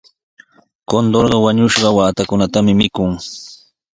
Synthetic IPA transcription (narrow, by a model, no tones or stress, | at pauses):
kond̪oɾɢɑwaɲʊʃɢɑwaːt̪akʊnat̪amɪmɪkʊŋ